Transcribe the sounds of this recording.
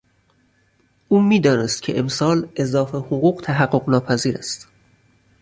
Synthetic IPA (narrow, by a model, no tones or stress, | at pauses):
ʔuːmiːd̪ɒːne̞st̪cʰe̞̰ʔemsɒːlezɒːfehoɣuːɢt̪ʰæɦæɢːo̞ɢnɒːpʰæziːɾæ̰st̪